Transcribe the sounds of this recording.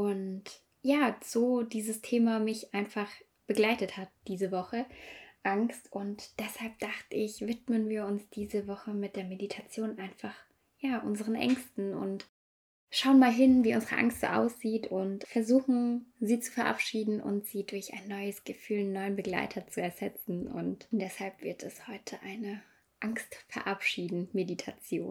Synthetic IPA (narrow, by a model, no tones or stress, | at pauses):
ʔʊnt | jaːz̥oːdiːzəstʰeːmamɪçʔaɪnfaχ | b̥əɡlaɪtəthat̚d̥iːzəvɔχəʔaŋkstʔʊntd̥ɛshalp̚d̥aχtəɪçv̥ɪtmənviːɐʊnsd̥iːzəvɔχəmɪt̚d̥eːɐmeditʰat͡sjoːnʔaɪnfaχ | jaːʔʊnzəʁənʔɛ̰ŋstn̩ʊ̰nt | ʃaʊənmaːlɦɪnviːʔʊnzəʁə̰ʔa̰ŋstz̥o̰ːʔa̰ʊsz̥iːtʊntfɛɐzuːxn̩ziːt͡su̥fɛɐʔa̰pʃiːdn̩ʔʊ̰ntz̥iːdʊɐça̰ɪnːɔʏəsɡ̥əfyːlnɔʏənbəɡla̰ɪtʰɐt͡suɛɐz̥ɛt͡sn̩ʊ̰ntd̥ɛshalpv̥ɪɐtʰɛshɔʏtʰəʔaɪnə | ʔaŋstfɛɐʔapʃiːdn̩meditʰat͡sjo̰ːn